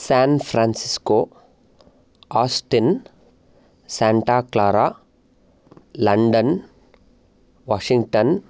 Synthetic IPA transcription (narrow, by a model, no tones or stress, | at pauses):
saːnpʰɾaːnsiskoː | aːsʈin | saːɳʈaːklaːɾaː | lɐɳɖɐn | ʋaːʂiŋɡʈɐn